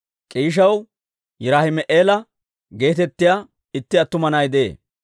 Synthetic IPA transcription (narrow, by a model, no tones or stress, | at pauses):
kʼiːʃ̬ɐw | jɪɾaːhɪmɛʔeːlɐ | ɡe̞ːt̪ɛt̪ːɪjaː | ɪt̪ːɪɐt̪ːʊmɐnɐjd̪ḛː